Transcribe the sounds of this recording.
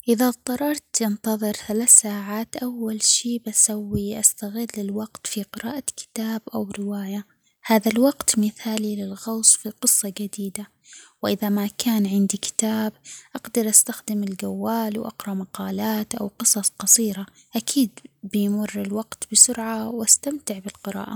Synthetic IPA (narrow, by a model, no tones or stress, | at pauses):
ʔɪðat̪ˤɑɾˤɑɾˤt̪jɪnt̪ɑðˤɨɾθalaθsaːʕaːt̪ʔawːalʃiːbasawːiʔast̪aɣɪlːɪlwɑqt̪fiqɪɾa̰ːʔakɪ̥t̪aːbʔawɾɪwaːja | haːðalwɑɡt̪mɪθaːlilɪlɣawsˤfiqɨsˤːɑd͡ʒad̪iːd̪a | wʔɪðamakʰaːnʕɪnd̪ikɪ̥t̪aːbʔaɡd̪ɑɾˤʔast̪axd̪ɪmɪlɡawːaːlwʔa̰qɾˤɑmaqɑːlaːt̪ʔa̰wqɨsˤɑsˤqɑsˤiːɾa | ʔakʰiːd̪̚bɪjmʊrːɪlwɑqt̪b̥ɪsʊɾʕawʔast̪amt̪ɪʕbɪlqɪɾa̰ːʔa̰